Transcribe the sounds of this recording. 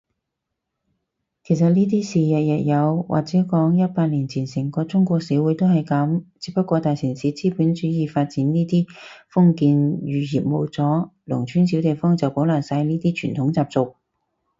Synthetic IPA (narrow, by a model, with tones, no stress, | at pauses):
kʰe˨˩js̬ɐ˨t̚niː˥t̪̬iː˥siː˨jɐ˨t̚jɐ˨t̚jɐ˨˧wwʔa̰ː˨k̚t͡sɛː˨˥kɔː˨˥ŋjɐ˥t̚paː˧k̚liː˨˩nt͡sʰiː˨˩nsɪ˨˩ŋkɔː˧t͡sʊ˥ŋkʷɔː˧k̚siː˨˥wuː˨˥jt̪o˥whɐ˨jkɐ˨˥mt͡siː˧˥pɐ˥kːwɔː˧t̪aː˨jsi˨˩nsiː˨˥t͡siː˥puː˨˥nt͡ʃyː˨˥jiː˨˧faː˧t̚t͡siː˨˥nniː˥t̪iː˥fʊ˥ŋkiː˧njyː˨˩jiː˨p̚mo˨˧wt͡sɔː˨˥lʊ̰˨˩ŋt͡ʃʰyː˨˥nsi˨˥wt̪e˨jfɔː˥ŋt͡sɐ˨wpo˨˥wlaː˨˩ŋsaː˧jniː˥t̪iː˥t͡ʃʰyː˨˩nt̪ʰʊ˨˧˥ŋt͡saː˧p̚t͡sʊ˨k̚